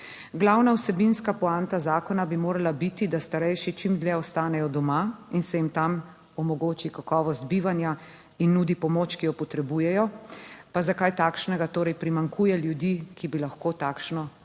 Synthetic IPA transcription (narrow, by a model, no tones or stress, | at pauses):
ɡlawnawsɛbinskapɔant̪azaːkɔnabimoːɾalabit̪id̪ast̪aɾɛjʃit͡ʃimd̪lɛɔst̪aːnɛjɔd̪ɔmainsɛjimt̪am | ɔmɔɡoːt͡ʃikakɔːʋɔst̪̚biʋanja | inːuːd̪ipɔmoːt͡ʃkijɔpɔt̪ɾɛbujɛjɔpazakajt̪aːkʃnɛɡat̪oːɾɛjpɾimaŋkʰujɛljud̪iːkibilaxkoːt̪aːkʃnɔ